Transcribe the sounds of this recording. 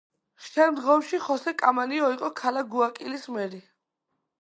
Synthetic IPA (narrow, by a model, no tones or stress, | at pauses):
ʃɛmd̪ʁɔmʃiχɔsɛkʼamaniɔiqʼɔkʰalaɡuakʼilismɛɾi